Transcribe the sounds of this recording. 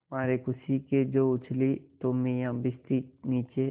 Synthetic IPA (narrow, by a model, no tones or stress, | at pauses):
maːɾekʊsiked͡ʒoːʊt͡ʃlit̪omẽjãbɪst̪iniːt͡ʃe